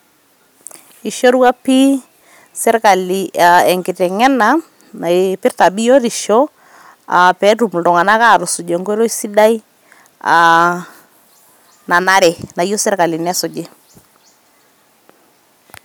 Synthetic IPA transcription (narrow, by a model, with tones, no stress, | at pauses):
i˨ʃo˦ɾwa˦pi˦ | sɛ˦ɾka˨li˨a˨ɛ˨ŋkɪ˨tɛ˨ŋɛ˦na˨ | na˨pɪ˦rta˨bi˦jo˦ɾi˨ʃo˦ | a̰˨pɛ˨˦tu˨m˨ldɔ˨ŋa˨na˦ka˦˨ɾʊ˨su˨d͡ʒe˨ŋɡɔ˦ɾo˦si˦da˦i˦ | a˨ | na˨na˦ɾɛ˨na˨jo˦sɛ˦rka˨li˨nɛ˦sɔ˨d͡ʒe˦